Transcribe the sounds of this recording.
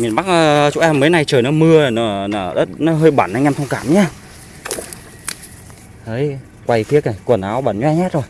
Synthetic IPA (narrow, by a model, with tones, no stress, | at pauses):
mi˨˩ənɓa˦˥k̚ʔəː˧t͡ɕṵ˧˥ʔɛ˧mːəː˨˦jna˧˩jt͡ɕəː˨˩jnɔ˨˦mɨ˧ə˨˩nɔ˨˦nɔ˨˧˩ɗə˦˥t̚nɔ˨˦ɦəː˧jɓaː˧˩na˧jŋɛ˧mt̪ʰə˧ŋ͡mkaː˧˩mɲaː˦ | ʔə˨˦j | kwa˧˩jfi˦˥ək̚na˧˩kwnʔaː˨˦wɓa̰˧˩nɲwɛ˧ɲaː˦˥t̚zo˨˩j